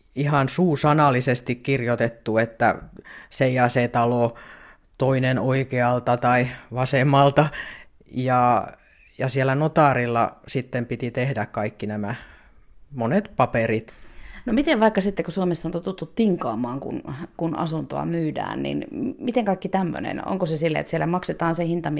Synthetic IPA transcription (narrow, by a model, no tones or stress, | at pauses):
ihɑnsuːsɑnɑlisest̪ikkirjot̪et̪ːuet̪ːæ̰sejɑset̪ɑlo | t̪oinenoikeɑlt̪ɑt̪ɑiʋɑsemːɑlt̪ɑ | jɑ | jɑsieælːˑænot̪ɑˑrilːɑ̰sit̪ːempit̪it̪ehdækkɑikːinæmæ | monet̪pɑperit̪nomit̪eʋʋɑikːɑsit̪ːekusuomesːɑnt̪ot̪ːut̪ːut̪tiŋkɑːmɑːŋkṵnkunɑ̰sunt̪o̰ɑ̰myːdæ̰ːnnḭnmit̪eŋkɑikːit̪æmːø̰nḛno̰ŋkosesilːæ̰ḛt̪sielːæmɑkset̪ɑːnsehint̪ɑmi